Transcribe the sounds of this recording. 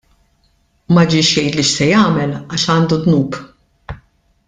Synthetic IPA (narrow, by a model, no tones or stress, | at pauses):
mɐd͡ʒɪːʃjɛjt̪liʃsɛjɐːmɛlɐʃɐːnd̪ud̪nuːp